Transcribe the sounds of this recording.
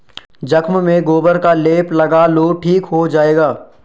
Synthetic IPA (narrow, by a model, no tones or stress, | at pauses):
d͡ʒɐkʰmmẽɡoːbəɾkaleːplɐɡaːloʈʰiːkɦod͡ʒaːeːɡaː